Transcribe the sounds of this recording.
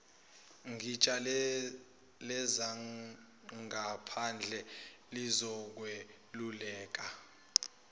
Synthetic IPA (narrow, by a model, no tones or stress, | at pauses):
ŋit͡ʃʼal | lɛza | ŋapʰand͡ɮʱɛlizɔk̬we | lulɛːk̬a